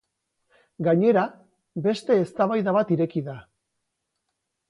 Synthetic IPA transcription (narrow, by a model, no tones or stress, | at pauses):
ɡaɲe̞ɾa | be̞st̪e̞ːst̪aβajðaβat̪iɾe̞kiða